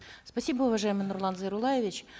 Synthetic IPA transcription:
spɐsʲibəʊvɐʐaɪmɨjnʊrlˠanzəjɾʊlˠajɪvʲɪt͡ɕ

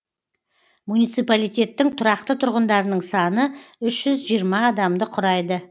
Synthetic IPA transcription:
munijt̪sijpalijt̪ʲe̞t̪ːɪŋt̪ʰʊɾɑqt̪ət̪ʰʊɾʁənd̪ɑɾənəɴsɑnəʏʃʒ̥ʏzʒijəɾmɑːd̪ɑmd̪əqʰʊɾɑjd̪ə

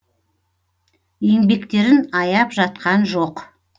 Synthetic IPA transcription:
je̞ŋbe̞kt̪e̞ɾɪnɑjɑpʒɑt̪qɑnʒo̞q

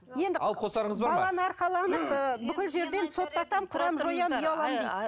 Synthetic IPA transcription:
je̞nd̪ɪɑl̚ˠqʰosɑɾəɴəzzbɑbɑlˠɑnəɑɾqɑlˠɑnəpbʏkʲɪlʒe̞ɾd̪e̞nso̞t̪ːɑt̪ɑmqʰʊɾɑmʒo̞jɑmjɑlˠɑmd̪ejd̪ɪ

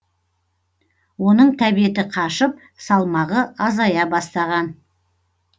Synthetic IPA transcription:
wo̞nəɴt̪ʰæbije̞t̪ɪqʰɑʃəp̚ | sɑlˠmɑʁəɑzɑjɑbɑst̪ɑʁɑn

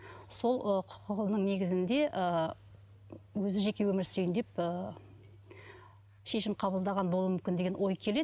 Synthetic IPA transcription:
so̞lˠəqʰʊ̥qʰəʁˠənəŋne̞ɡʲɪzɪnd̪e̞ʔə | wɵzɪʒe̞kʲe̞wɵmɪɾsɪɾjɪnd̪e̞pə | ʃe̞ʃɪmqʰɑbəlˠd̪ɑʁɑnbolˠuəmʏmkʲɪnd̪e̞ɡʲenwo̞jkʲʰele̞

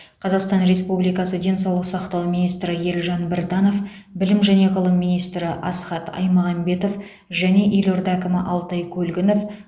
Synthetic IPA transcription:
qʰɑzɑqst̪ɑnɾe̞spublijkɑsəd̪e̞nsɑwlˠəsɑqt̪ɑwminijst̪ɾɪje̞lʲʒɑnbɪɾd̪ɑno̞f | bɪlɪmʒæne̞ʁəlˠəmːijnijst̪ɾɪʔɑsχɑt̪ɑ̰jmɑʁɑmbe̞t̪o̞f | ʒæne̞ʔiloɾd̪ækʲɪmɪʔɑlˠt̪ɑjkʲʰɵlɡʲɪno̞f

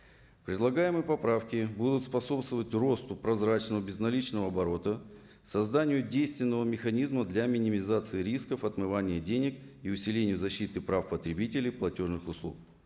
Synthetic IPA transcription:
pɾʲɪd̪lˠɐɡajɪmɨjəpɐpɾafkʲɪbud̪ʊt̪spɐso̞pst̪vəvətʲro̞st̪ʊpɾɐzɾat͡ɕnəvəbʲɪznɐlʲit͡ɕnəvəɐbɐɾo̞t̪ə | sɐzd̪anʲɪjʊdʲejst̪vʲɪnːəvəmʲɪxɐnʲizməd̪lʲamʲɪnʲɪmʲɪzat̪sɨɪɾʲiskəfɐt̪mɨvanʲɪjədʲenʲɪkiʊsʲɪlʲenʲɪjʊzɐɕːit̪ɨpɾafpət̪ɾʲɪbʲitʲɪlʲɪjplˠɐtʲo̞ʐnɨxʊslˠṵk̚

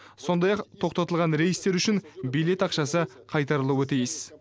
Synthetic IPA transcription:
so̞nd̪ɑjɑqt̪ʰo̞qt̪ɑt̪əlˠʁɑnɾe̞jst̪e̞ɾʏʃɪnbijle̞t̪ɑqʃɑsə | qʰɑjt̪ɑɾəlˠuwət̪ʰijɪz

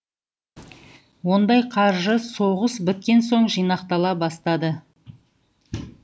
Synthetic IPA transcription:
wo̞nd̪ɑjqʰɑɾʒəso̞ʁəsbɪt̪̚kʲe̞nso̞ɴʒijnɑqt̪ɑlˠɑbɑst̪ɑd̪ə

